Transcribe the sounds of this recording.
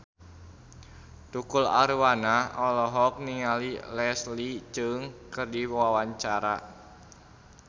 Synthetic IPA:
t̪ukula̰ɾwanaɔlɔɦɔk̚niŋalilɛslit͡ʃɨŋkɨrdiwawaɲt͡ʃaɾa

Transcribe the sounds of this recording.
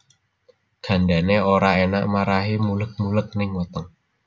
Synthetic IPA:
ɡ̥a̤ndaneoɾaena̰ʔmaɾaɦimulək̚mulək̚nɪŋwɔt̪ɔŋ

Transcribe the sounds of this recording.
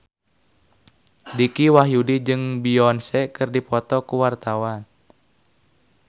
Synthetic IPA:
dikiwaɦjudid͡ʒɨŋbiɔnsɛkɨrdipɔt̪ɔkuwart̪awan

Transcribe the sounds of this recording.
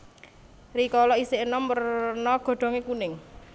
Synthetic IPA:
rikɔlɔiseʔnɔmpərnɔɡ̥ɔ̤ɖ̥ɔ̤ŋekunɪŋ

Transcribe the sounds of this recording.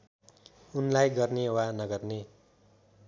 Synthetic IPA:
unlajɡʌrnewanʌɡʌrne

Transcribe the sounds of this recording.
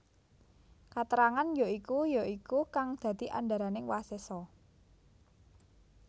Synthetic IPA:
kat̪əɾaŋanjaikujaʔikukaŋd̪̥ä̤d̪̥iʔa̰nd̪a̤ɾanɪŋwasesɔ

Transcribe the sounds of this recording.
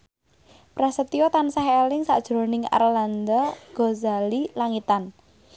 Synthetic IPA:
pɾasət̪iɔt̪ansaɦelɪŋsa̰ʔd̥ʒ̥ɾonɪŋa̰rland̪aɡ̥ozalilaŋit̪an

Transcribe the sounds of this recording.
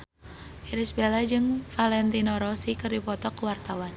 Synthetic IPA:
iɾisbelad͡ʒɨŋfalɛnt̪inɔɾɔsikɨrdipɔt̪ɔkuwart̪awan

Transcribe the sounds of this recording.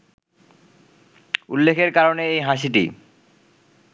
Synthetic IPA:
ṵlːekʰeɾkaɾoneejɦaʃ̬iʈḭ

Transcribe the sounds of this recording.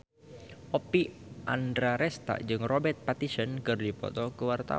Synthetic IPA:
ʔopiʔandɾaɾɛst̪a̰d͡ʒɨŋrobɛrt̪̚pat̪isənkɨrdipɔ̰t̪ɔkəwart̪a̰

